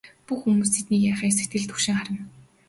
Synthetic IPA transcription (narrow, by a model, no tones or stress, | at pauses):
puxumuːs̬t̪ʰet̪niːkjaːχiːs̬et̪ɡɘ̆ɮt̪ʰɵ̥kʃɪ̆ŋχaɾə̆n